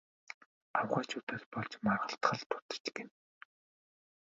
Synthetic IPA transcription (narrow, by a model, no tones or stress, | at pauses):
awχaːt͡ɕʰʊːt̪aːspɔɮt͡ɕmarʁə̆ɬt̪χə̆ɮt̪ʊ̥t̪ə̥̆t͡ɕɡen